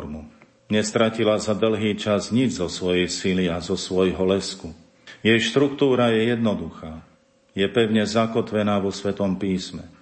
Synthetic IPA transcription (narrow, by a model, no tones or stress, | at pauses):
ɾmu | ɲɛst̪ɾacilazad̪l̩ɦiːt͡ʃazɲid͡ʒzɔsʋɔjɛjsiliazɔsʋɔjɦɔlɛsku | jɛjʃt̪ɾukt̪uːɾajɛjɛd̪nɔd̪uxaː | jɛpɛʊɲɛzakɔt̪ʋɛnaːʋɔsʋɛt̪ɔmpiːsmɛ